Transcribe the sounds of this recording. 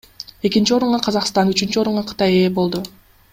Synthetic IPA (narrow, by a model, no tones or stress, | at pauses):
e̞kint͡ʃio̞ɾuɴʁɑqʰɑzɑqst̪ɑnyt͡ʃynt͡ʃyo̞ɾuɴʁɑqʰɯ̥t̪ɑje̞ːbo̞lˠd̪u